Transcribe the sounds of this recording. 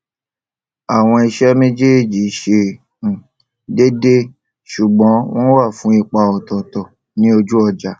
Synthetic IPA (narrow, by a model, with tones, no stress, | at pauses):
a˨w̃ɔ̃˧i˧ʃɛ˦mẽ˦d͡ʒe˦e˦˨d͡ʒi˨˦ʃẽ˧˨ | de˦de˦ | ʃu˨ɡ͡bɔ̃˨˦w̃ɔ̃˦wa˦˨fũ˨˦i˦˧k͡pa˧ɔ˨tɔ˨tɔ˨ | nĩ˦o˧d͡ʒu˦ɔ˧˨d͡ʒa˨